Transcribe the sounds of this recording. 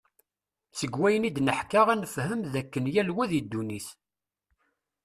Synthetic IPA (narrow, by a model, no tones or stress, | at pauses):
səɡwæjənid̪nəħkaʁænəfhəmðækːənjælwæðid̪ːuniθ